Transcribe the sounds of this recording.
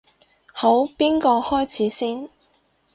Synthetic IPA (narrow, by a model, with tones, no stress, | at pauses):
ho˨˥wpiː˥nkɔː˧hɔː˥jt͡sʰiː˨˥siː˥n